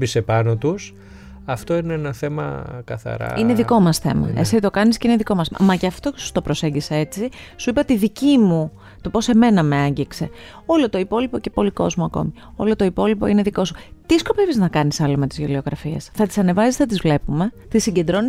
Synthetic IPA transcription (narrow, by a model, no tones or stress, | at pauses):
bisepɐnot̪us | ɐft̪o̞ineenɐθe̞mɐ̰kɐ̰θɐ̰ɾɐ̰ine̞ðiko̞mɐsθe̞̰mɐ̰esitit̪o̞kɐnisceineðiko̞mɐsmɐceɐft̪o̞cesu̥t̪o̞pɾo̞se̞ɲɟisee̞t͡sisuipɐt̪iðicimu | t̪o̞po̞se̞me̞nɐmeɐɲɟikse̞ | o̞lo̞t̪o̞ipo̞lipo̞cepo̞liko̞zmoɐko̞̰mi | o̞̰lo̞t̪o̞ipo̞lipo̞ine̞ðiko̞su̥t̪isko̞peviznɐkɐnisɐlo̞met̪izʝolioɣɾɐfiesθɐt̪i̥sɐne̞vɐsisθɐt̪izvle̞pume̞ | t̪isiɲɟend̪ɾo̞ni